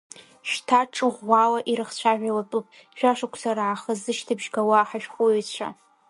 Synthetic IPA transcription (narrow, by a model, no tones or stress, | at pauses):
ʃtʰaʈ͡ʂʼɨʁʷːawaʔiɾɨχt͡ɕʷʰaʒᶣʷalapʼɨpʼ | ʒᶣaʂakʷʰsaɾaʕaχəzɨʃtʰɨbʒɡawaħaʃᶣχʷʊt͡ɕʷʰa̰